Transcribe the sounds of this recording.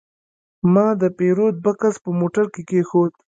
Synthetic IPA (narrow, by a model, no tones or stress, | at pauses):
mɑd̪əpeɾod̪̚bakaspəmoʈaɾkekexod̪̚